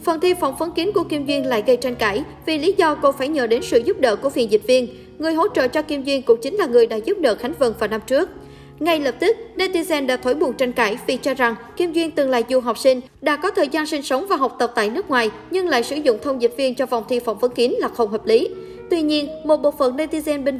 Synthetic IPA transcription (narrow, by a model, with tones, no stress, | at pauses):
fə˨˩nt̪ʰi˧fɔ̰˧˩wŋ͡mvə˨˦nki˨˦nku˧˩əki˧mzwi˧ənla̰ː˧˨jɣə˧jt͡ɕa˧jŋ̟kaː˧˩j | vi˨˩li˨˦zɔ˧ko˧faː˧˩jɲə̰ː˧˨ɗe˨˦nsɨ̰˧˨zʊ˦˥p̚ɗə̰ː˧˨ku˧˩əfḭ˨˩ənzï˨˩t̚vi˧ən | ŋɨ˨˩əjɦo̰˧˥t͡ɕə̰ː˧˨t͡ɕɔ˧ki˧əmzwi˧ənkʊ˧˩˥t͡ɕï˨˦ŋ̟laː˨˩ŋɨ˨˩əjɗa̰ː˧˥zu˦˥p̚ɗə̰ː˧˨˩xa˨˦jŋ̟və˨˩nvaː˨˩na˧mt͡ɕɨ˦˥ək̚ | ŋa˧jləː˨˩p̚t̪i˦˥k̚ne˧t̪i˧zɛ˧nɗa̰ː˧˥t̪ʰo˧˩jɓu˨˩nt͡ɕa˧jŋ̟kaː˧˩jvi˨˩t͡ɕɔ˧za˨˩ŋki˧mzwi˧ənt̪ɨ˨˩ŋlaː˧˨jzu˨˩ɦa˨˩wk͡p̚sï˧ŋ̟ | ɗa̰ː˧˥kɔ˨˦t̪ʰəː˨˩jzaː˧nsï˧ŋ̟sə˨˦wŋ͡mvaː˨˩ɦa˨˩wk͡p̚t̪ə˨˩p̚t̪a̰ː˧˨jnɨ˦˥ək̚ŋwaː˨˩j | ɲɨ˧ŋla̰ː˧˨jsɨ˧˩zʊ̰˧˨ŋ͡mt̪ʰə˧wŋ͡mzi˨˩t̚vi˧ənt͡ɕɔ˧va̰˨˩wŋ͡mt̪ʰi˧fa˧˩wŋ͡mvə˨˦nki˨˦ənlaː˨˩xə˧˩wŋ͡mɦəː˨˩p̚li˨˦ | t̪wi˧ɲi˧ənmo˨˩t̚ɓo̰˧˨fə˨˩nne˧t̪i˧zɛ˧nɓe˧n